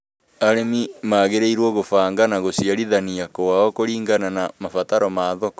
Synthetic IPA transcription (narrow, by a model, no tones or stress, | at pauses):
aɾemimaːɣeɾeiɾwɔɣofaːŋɡanaɣosiaɾiðaniakowaɔkoɾiːŋɡananamafataɾɔmaːðɔkɔ